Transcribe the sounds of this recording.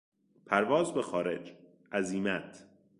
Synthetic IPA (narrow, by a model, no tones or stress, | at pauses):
pʰæɾvɒːzbexɒːɾe̞d͡ʒ | ʔæziːmæt̪ʰ